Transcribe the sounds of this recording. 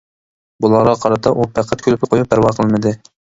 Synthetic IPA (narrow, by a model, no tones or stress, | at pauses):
bulˠɑʁɑqʰɑɾɑt̪ʰɑʔupʰæqʰːæt̪̚kʲʰølypʲqʰojup̚bæɾwɑqʰəlˠmɨd̪ɨ